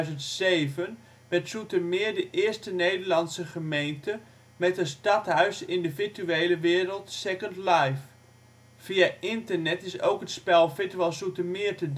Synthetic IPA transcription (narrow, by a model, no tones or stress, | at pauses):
zəntsejvən | ʋɛtsutəmɪːɹdəʔɪəɹstənejdəɹlɑnsəχəmejntə | mɛtənstɑthœɥsɪndəfiɹtyeːləʋɪːɾəlˠtsɛkəntlajf | fiaɪntərnɛtɪso̰wkɦətspɛlˠfɪtʋɛlˠsutəmɪətəd